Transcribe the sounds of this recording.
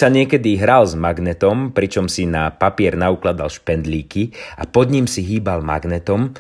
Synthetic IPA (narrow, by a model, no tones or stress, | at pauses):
saɲɪɛkɛd̪iɦɾalzmaɡnɛt̪ɔmpɾit͡ʃɔmsinapapɪɛɾnauklad̪a̰lʃpɛnd̪liːkia̰pɔd̪ɲimsiɦiːbalma̰ɡnɛt̪ɔm